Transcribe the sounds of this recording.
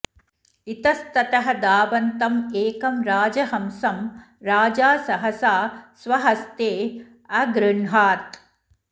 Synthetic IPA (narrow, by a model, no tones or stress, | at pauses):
it̪ɐst̪ɐt̪ɐɦɐd̪aːbɐnt̪ɐmeːkɐmɾaːd͡ʒɐɦɐmsɐm | ɾaːd͡ʒaːsɐɦɐsaːsʋɐɦɐst̪eː | ɐɡɾɪɳɦaːt̪